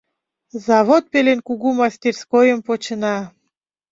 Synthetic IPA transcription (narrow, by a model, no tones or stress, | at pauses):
zɑβot̪̚pelenkuɣumɑsʲt̪ʲerskojəmpot͡ɕənɑ